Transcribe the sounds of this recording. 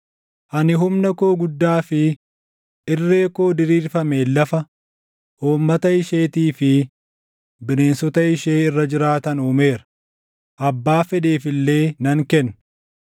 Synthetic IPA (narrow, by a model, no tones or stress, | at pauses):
ʔɐnɪɦʊmnɐko̞ːɡʊd̪ːaːfɪ | ɪrːe̞ːko̞ːd̪ɪɾiːɾfɐmeːlːɐfɐ | hoːmːɐt̪ɐɪʃeːt̪iːfɪ | bɪneːnsɔt̪ɐɪʃe̞ːɪrːɐd͡ʒɪɾaːt̪ɐnuːme̞ːɾɐ | ʔɐbːaːfɛᶑe̞ːfɪlːe̞ːnɐŋkɛnː